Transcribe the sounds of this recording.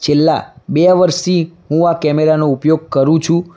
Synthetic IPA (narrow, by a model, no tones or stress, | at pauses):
t͡ʃʰelːa̰beʋəɾst̪iɦũakɛmeɾanoupjoɡ̚kəɾũt͡ʃʰũ